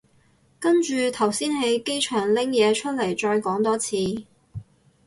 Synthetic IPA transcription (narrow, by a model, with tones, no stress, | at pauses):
kɐ˥nt͡ʃyː˨˧t̪ʰɐ˨˩wsiː˥nɦe˨˥jke˥jt͡ʃʰœː˨˩ŋlɪ˥ŋjɛː˨˧t͡ʃʰɵ˥t̚lɐ˨˩jt͡ʃɔː˧jkɔː˨˥ŋt̪ɔː˥t͡sʰiː˨˧